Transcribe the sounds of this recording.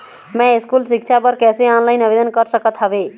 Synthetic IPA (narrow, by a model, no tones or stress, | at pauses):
mɛ̃iskulsik̚t͡ʃʰapəɾkɛseɔnlaɪnəbed̪ənkəɾsəkət̪ɦəbe